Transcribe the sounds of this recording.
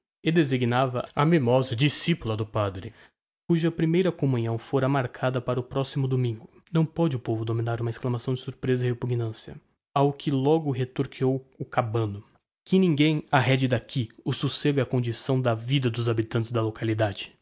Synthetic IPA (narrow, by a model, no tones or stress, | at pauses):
ed̪eziɡinavɐɐmimɔzɐd͡ʒisipulɐd̪ʊpad̪ɾɪ | kuʒɐpɾimejɾɐkomũɲɐ̃w̃foɾɐmaɾkʰad̪ɐpaɾɐʊpɾɔsimʊd̪omĩŋɡʊ | nɐ̃w̃pɔd͡ʒɪʊpovʊd̪omĩnaɾũmɐesklɐmasɐ̃w̃d͡ʒɪsuɾpɾezɐihepuɡnɐ̃siɐ̰ | awkʰɪlɔɡʊɦet̪oɾkiowʊkabɐ̃nʊ | kɪnĩŋɡẽj̃aɦɛd͡ʒɪd̪akʰiʊsuseɡʊɛɐkõd͡ʒisɐ̃w̃d̪ɐvid̪ɐd̪ʊzabit̪ɐ̃nt͡ʃɪzd̪ɐlokalid̪ad͡ʒɪ